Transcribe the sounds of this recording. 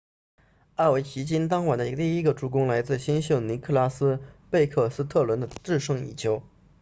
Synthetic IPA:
a˥˩we˧˥ɪɕi˧˥t͡ɕi˥nt̪̬ɑ˥ŋwa˨˩nd̪ə˧i˧˥ɡə˧t̪i˥˧i˥ɡə˧ʈ͡ʂu˧˥kʊ˥ŋla˧˥ɪt͡sɹ̩˥˩ɕi˥nɕjo˥˩ʊni˧˥kʰɤ˥˩la˥sɹ̩˥pe˥˧ɪkʰɤ˥˩sɹ̩˥t̪ʰɤ˥˩lwə˧˥nd̪ə˧ʈ͡ʂɻ̩˥˧ʂɤ˥˩ŋḭ˨˩t͡ɕʰjo˧˥ʊ

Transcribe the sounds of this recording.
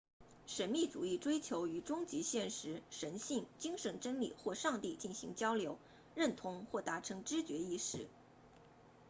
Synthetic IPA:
ʂə˧˥nmi˥˩t͡su˨˩i˥˩ʈ͡ʂwe˥ɪt͡ɕʰjo˧˥ʊy˧˩ʈ͡ʂʊ˥ŋt͡ɕi˧˥ɕjɛ˥˩nʂɻ̩˧˥ʂə˧˥nɕi˥˩ŋt͡ɕi˥ŋʂə˧˥nʈ͡ʂə˥nlḭ˨˩xwɔ˥˧ʂɑ˥˧ŋt̪i˥˧t͡ɕi˥˩nɕḭ˧˥ŋt͡ɕjɑ˥ʊljo˧˥ʊ | ɻə˥˩nt̪ʰʊ˧˥ŋxwɔ˥˩t̪a˧˥ʈ͡ʂʰɤ˧˥ŋʈ͡ʂɻ̩˥t͡ɕɥɛ˧˥i˥˧ʂɻ̩˥˩

